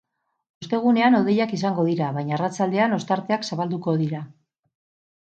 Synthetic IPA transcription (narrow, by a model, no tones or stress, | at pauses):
ust̪e̞ɣ̞une̞ano̞ðe̞jakis̬aŋɡo̞ð̞iɾaβajɲaːrat͡sald̪e̞ano̞st̪aɾt̪e̞aksaβald̪uko̞ðiɾa